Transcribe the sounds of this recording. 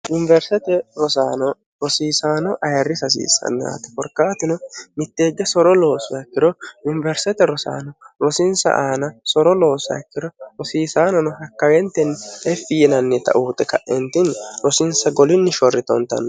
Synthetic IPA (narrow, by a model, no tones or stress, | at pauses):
jʊnɪvɛɾsɛt̪ɛɾɔsaːnɔ | ɾɔsiːsaːnɔʔɐjɐrːɪsɐs̬ḭːsɐ̰nːa̰t̪ːɛ̥fɔɾkːaːt̪ɪnɔmɪt̪ːeːɡːɛsɔɾɔlo̞ːsʊɐkːɪɾɔjʊnɪvɛɾsɛt̪ɛɾɔsa̰ːnɔɾɔsɪnsɐ̰ʔaːnɐsɔɾɔlo̞ːsɐ̰kːɪɾɔɾɔsiːsaːnɔnɔhɐkːɐwɛnt̪ːɛnɛfːɪjɛnɐnːɛt̪ɐ̰ʔuːt̪ɛkɐʔʔɛnt̪ɪnɾɔsɪnsɐɡɔlɪnːɪʃɔrːɪt̪ɔnt̪ːɐ̰nː